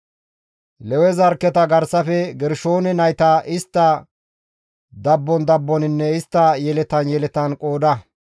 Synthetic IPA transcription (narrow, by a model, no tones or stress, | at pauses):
lɛwɛzɐɾkːɛt̪ɐɡɐɾsɐfɛɡɛɾʃo̞ːnɛnɐjt̪ɐʔɪst̪ːɐ | d̪ɐbːɔnd̪ɐbːɔnɪnːɛɪst̪ːɐjɛlɛt̪ɐnjɛlɛt̪ɐnkʼoːd̪ɐ